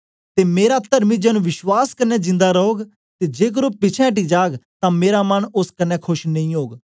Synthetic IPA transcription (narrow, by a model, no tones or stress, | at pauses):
t̪eːmeːɾat̪əɾmid͡ʒɛːnũːʋɪʃwaːskənɛd͡ʒɪ̃nd̪aɾəɦoːɡ | t̪eːd͡ʒeːk̬əɾoːpɪt͡ʃʰɛ̃ʈ̬iːd͡ʒaːɡt̪ãːmeːɾamənʊskənɛkʰʊʃnə̃ĩːɦoːɡ